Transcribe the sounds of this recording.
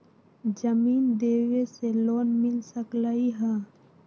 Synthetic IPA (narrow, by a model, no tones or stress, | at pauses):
d͡ʒəmiːnd̪eːweseloːnmɪlsəklaiɦɛ̃ː